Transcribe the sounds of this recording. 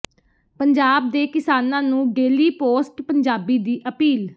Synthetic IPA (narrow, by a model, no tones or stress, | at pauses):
pəɲd͡ʒaːb̚d̪eːkɪsaːnãːnũːɡeːliːpoːsʈpəɲd͡ʒaːbiːd̪iːʔəpiːl